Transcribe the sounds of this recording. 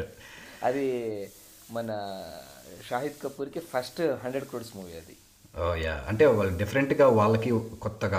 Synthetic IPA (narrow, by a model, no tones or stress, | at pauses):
ɐ̰d̪i | mɐnɐ | ʃaːɦit̪kɐpːuːɾkepʰɐsʈɦɐɳɖɾeɖkɾoːɽsmuːʋiɐd̪ḭ | oːja̰ːɐ̰ɳʈeːʋaːɭːɐɖipʰɐɾeɳʈɡaːʋaːɭːɐkikɔt̪ːɐɡaː